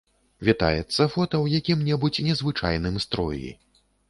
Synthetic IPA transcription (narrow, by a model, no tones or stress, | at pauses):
vʲit̪a̰jɛt̪sːɐfɔt̪ɐwjakʲimnʲɛbut͡sʲnʲɛzvɨt͡ʂa̰jnɨmst̪ɾɔ̰jḭ